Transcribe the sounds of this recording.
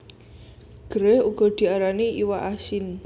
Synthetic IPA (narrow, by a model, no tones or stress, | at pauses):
ɡ̥əɾɛhuɡ̥ɔ̤d̪̥i̤aɾaniʔiwaʔasɪn